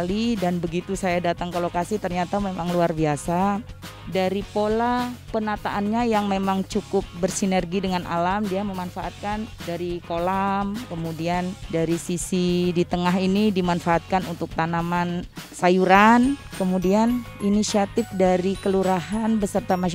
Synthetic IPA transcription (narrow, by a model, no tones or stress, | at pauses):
lidanbəɡit̪usajadat̪aŋkəlokasɪht̪ərɲat̪amemaŋluarbiasa | daɾipolapənat̪aʔːnɲajaŋmemaŋt͡ʃukʊp̚bərsinɛrɡidəŋanʔa̰lamdiaməmanfaʔat̪̚kandaɾikolamkəmudiandaɾisisidit̪əŋaɦinidimanfaːt̪̚kanunt̪ʊk̚t̪anamansajuɾankəmudianinisiat̪ɪfdaɾikəluɾaɦanbəsərt̪ama